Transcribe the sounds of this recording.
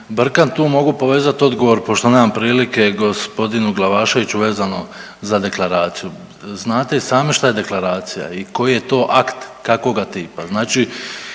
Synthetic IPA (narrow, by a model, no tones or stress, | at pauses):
br̩kant̪uːmo̞ɡupo̞ʋe̞ːzat̪o̞d̪ɡo̞ʋo̞ɾpo̞ʃt̪one̞ːmampɾiːlike̞ɡo̞spo̞d̪inuɡlˠaʋaːʃe̞ʋit͡ɕuʋe̞ːzano̞ | zad̪e̞klˠaɾaːt̪siju | znaːt̪e̞isaːmiʃt̪aje̞d̪e̞klˠaɾaːt̪sija̰iko̞jije̞t̪o̞ːʔakt̪kako̞ɡat̪iːpaznaːt͡ʃi